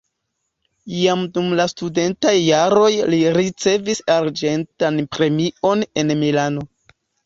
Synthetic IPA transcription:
iamdumlastude̞ntajːaɾo̞jliɾit͡se̞visaɾd͡ʒe̞ntanpɾe̞mio̞ne̞nmilano̞

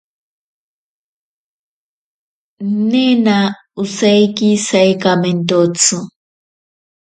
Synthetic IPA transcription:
nena | ʊsajkisajkament̪ot͡su

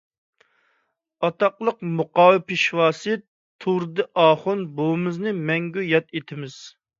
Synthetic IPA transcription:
ɑt̪ɑqlˠəqmuqɑːwɪpɪʃwɑːsɨt̪ʰːuɾd̪ɨʔɑːχʊnbomɨznɨmɛŋɡʲyjɑt̪et̪ʰɪmɪz̥

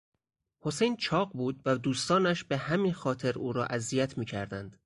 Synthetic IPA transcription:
ho̞sejnt͡ʃʰɒːɢbuːd̪væd̪uːst̪ɒːnæʃbehæmiːnxɒːt̪ʰe̞ɾuːɾɒ̰ːʔæzijæt̪ʰmiːcʰæɾd̪ænd̪̥

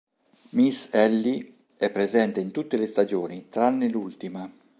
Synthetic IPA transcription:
misɛlːi | ɛpːɾezɛnt̪eint̪ut̪ːelest̪ad͡ʒoːnit̪ɾanːelult̪ima

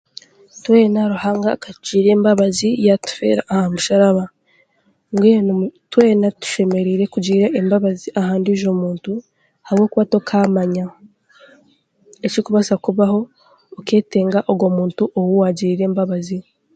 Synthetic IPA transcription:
tweːnaɾuhaːŋɡakaciːɾe̞ːmbaβazijatu̥fe̞̰ɾa̰ːhamuʃaɾaβa | ŋɡwetwe̞ːnatu̥ʃe̞me̞ɾiːɾe̞kuɟiːɾeʔːmbaβaziʔahaːndiʒo̞muːntu | haβwo̞ːkuβato̞kʰaːmaɲa | ecikuβasakuβaho̞ː | ke̞ːte̞ːŋɡaʔoɡwo̞ːmuːntuʔowuwaɟiɾiːɾe̞ːmbaβazi

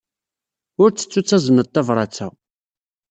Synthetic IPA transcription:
ʊɾt͡sːə̥t͡sːut͡sːæzˤənət̪ːɑvɾˤɑt͡sːæ

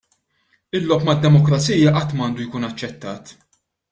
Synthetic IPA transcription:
ɪlːɔpmɐd̪ːɛmɔkɾɐt͡siːjɐʔɐt̪ːmɐɐːnd̪ujkuːnɐt͡ʃːɛt̪ːɐːt̪

